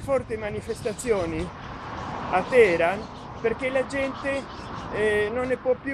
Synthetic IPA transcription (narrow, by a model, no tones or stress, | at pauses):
fɔrt̪imanifest̪at̪sːjoːni | at̪ːɛːɾan | perk̟elad͡ʒɛnt̪e | nonːepwɔpːj